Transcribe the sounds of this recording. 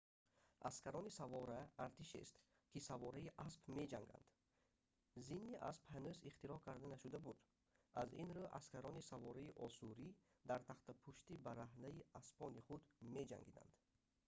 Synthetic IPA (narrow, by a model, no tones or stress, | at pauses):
ʔa̰skaɾɔnisavɔɾaːɾt̪ʰiʃḛst̪ | kʰisavɔɾaiʔaspme̞d͡ʒaŋɡa̰nd̪̥ | zinːiʔa̰spʰænøziχt̪iɾɔhkʰaɾd̪anaʃud̪abud̪ | azinɾuʔa̰skaɾɔnisavɔɾaiʔɔsuɾi | d̪aɾt̪ʰaχt̪apʰuʃt̪ibaɾaɦnaiaspʰɔniχud̪me̞d͡ʒa̰ŋɡid̪a̰nd̪̥